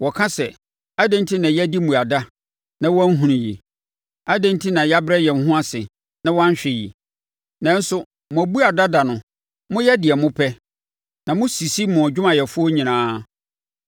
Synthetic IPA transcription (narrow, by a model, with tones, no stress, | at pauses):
wɔ˨kʰã˦sɛ˨ | a˦dɛ̃˦n˦tʰi˦nã˨jɛ˦di˦mũ˨a˨da˦ | nã˦wɔ˦a˦n˦ɦũ˨nĩ˨ji˨ | a˦dɛ̃˦n˦tʰi˦nã˨ja˦bɾɛ˦jɛ˨n̩˨ɦʊ̃˦a˦sɪ˨ | nã˦wã˦ɲ˦ɕᶣɛ˨jḭ˨ | nã˨˦n̩˦sʊ˦ | mʊ̃˨æ˨bu˦a˨da˦da˨nʊ̃˨ | mʊ̃˦jɛ˦dɪ˨ɛ˨mʊ̃˦pʰɛ˦ | nã˨mʊ̃˦si˨si˦mʊ̃˨d͡ʑᶣʊ˦mã˨jɛ˨fʊ˦ɔ˦ɲĩ˨nãː˦